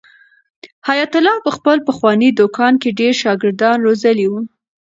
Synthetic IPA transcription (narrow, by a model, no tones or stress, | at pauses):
hajat̪ʊlɑpəxpəlpəxwɑnid̪okɑnkeɖeɾʃɑɡɪɾd̪ɑnɾozaliwu